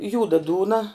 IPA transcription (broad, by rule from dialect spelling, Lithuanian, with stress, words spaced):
ˈjuːdɐ ˈduːnɐ